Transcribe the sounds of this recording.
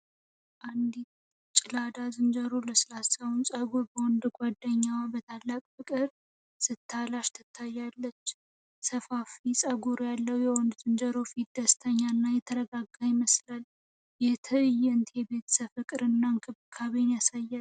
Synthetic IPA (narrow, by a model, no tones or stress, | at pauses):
ʔand̪it̪ | t͡ʃʼɪlad̪azɨnd͡ʒəɾoləsɨlasəwnsʼəɡuɾbəwɔnd̪uɡʷwad̪ːəɲːawabət̪ʰalːakʼfɨkʼɨɾ | sɨt̪ʰːalaʃt̪ʰɨt̪ʰːajːalːət͡ʃː | səfafisʼəɡuɾjalːəwjɛwɔnd̪uzɨnd͡ʒəɾofid̪əst̪ʰəɲːanːajɛt̪ʰəɾəɡaɡajɪməslal | jɛt̪ʰɨjːɛnt̪ʰjɛbe̞t̪səfɨkʼɨɾɨnːaŋkʰɨβkʰaβinjasajːal